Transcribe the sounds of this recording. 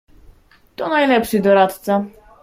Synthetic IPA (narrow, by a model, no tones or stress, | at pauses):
t̪ʼɔnajlɛpsid̪ɔɾat̪ʰza